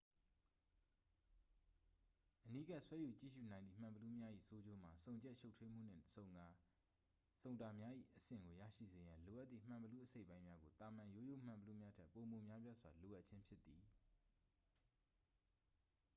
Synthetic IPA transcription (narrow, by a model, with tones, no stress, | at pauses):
ʔəni˦ɡa˦ʔswɛ˦ju˨t͡ɕḭ˦˨ʃṵ˦˨nã˨nðḭ˦˨m̥ã˨mbəlu˦mja˦ʔḭ˦˨so˦d͡ʑo˦m̥a˨sõ˨ʊ̃ɲd͡ʑɛ˦ʔʃo˦ʊtʰwe˦m̥ṵ˦˨n̥ɪ̰̃˦˨ | sõ˨ʊ̃nda˨mja˦ʔḭ˦˨ʔəsɪ̰̃˦˨ŋɡo˨jä̰˦˨ʃḭ˦˨ze˨jã˨lo˨ʔa˦t̪t̪ːḭ˦˨m̥ã˨mbəlu˦ʔəse˦ɪʔpã˦ɪ̃mja˦ɡo˨t̪a˨mã˨jo˦jo˦˨m̥ã˨mbəlu˦mja˦tʰɛ˦po˨mo˨mja˦pja˦zwa˨lo˨ʔa˦t̚t͡ɕʰɪ̃˦mpʰjɪ˦t̪ːi˨